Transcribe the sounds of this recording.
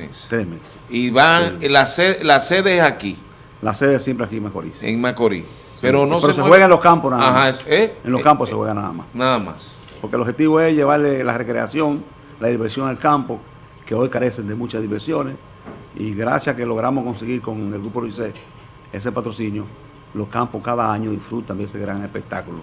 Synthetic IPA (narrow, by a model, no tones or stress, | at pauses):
ḛst̪ɾesmese̥iβalaseðelaseðeesaki | la̰seðeesjempɾeakiemako̰ɾḭsḛŋmakoɾis | eɾonopeɾooseweɣaenloskamposnaðaamaseenlokamposehweɣanaða̰ma̰snaðama̰s | poɾkelohet̪iβoesʝeβaɾlelarekɾḛa̰sjo̞ŋ | laðiβeɾsjo̞ŋelkampo | keo̞jkaɾe̞send̪emũt͡ʃazðiβeɾsjones | ḭɣɾa̰sjakeloɣɾamohko̞nseɣiɾkoŋelɡɣɾupoðuse | es̬epat̪ɾo̞sinjo | lohkampohkaðaaɲoðifɾut̪and̪eeseɣɾaŋespek̚t̪akulo